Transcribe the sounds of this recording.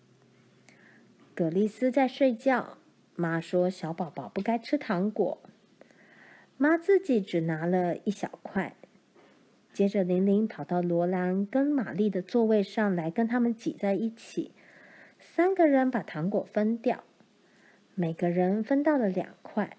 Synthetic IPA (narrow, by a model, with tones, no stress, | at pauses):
kɤ˨˩li˥˩sɹ̩˥t͡sa˥˧ɪʂwe˥˧ɪt͡ɕjɑ˥˩ʊ | ma˥ʂwɔ˥ɕjɑ˧˥ʊpɑ˨˩ʊpɑ˨˩ʊpu˥˩ka˥ɪʈ͡ʂʰɻ̩˥t̪ʰɑ˧˥ŋkwɔ̰˨˩˦ | ma˥t͡sɹ̩˥˩t͡ɕi˨˩˥ʈ͡ʂɻ̩˨˩na˧˥lə˧i˥˩ɕjɑ̰˨˩ʊkʰwa˥˩ɪ | t͡ɕjɛ˥ʈ͡ʂə˨li˧˥ŋli˧˥ŋpʰɑ˨˩ʊt̪ɑ˥˩ʊlwɔ˧˥la˧˥nkə˥nma̰˨˩li˥˩d̪ə˩t͡swɔ˥˧we˥˧ɪʂɑ˥˩ŋla˧˥ɪkə˥nt̪ʰa˥mə˨nt͡ɕi˨˩t͡sa˥˧ɪi˥˩t͡ɕʰḭ˨˩˦ | sa˥nɡə˨ɻə˧˥npa˨˩t̪ʰɑ˧˥ŋkwɔ˨˩fə˥nt̪jɑ˥˩ʊ | me˨˩ɪɡə˦ɻə˧˥nfə˥nt̪ɑ˥˩ʊlə˨˩ljɑ̰˨˩ŋkʰwa˥˩ɪ